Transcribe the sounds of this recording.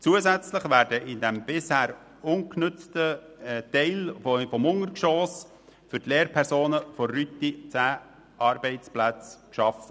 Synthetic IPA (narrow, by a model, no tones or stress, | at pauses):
t͡suːəzæt͡sləχʋæːɾdəʔɪndɛmb̥ɪshæːɾ | ʊnknʏt͡stə | t̪ɛɪlfɔmʊŋəɾkʃoːs | fʏɾtleːɾpʰɛɾsoːnəfɔːyt̪it͡sæː | ʔɑːɾbɛɪt͡splæt͡skʃɑfə